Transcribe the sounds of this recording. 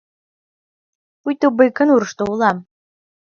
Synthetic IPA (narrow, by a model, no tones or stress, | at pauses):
pujt̪obəjkə̆nuɾəʃt̪oulɑm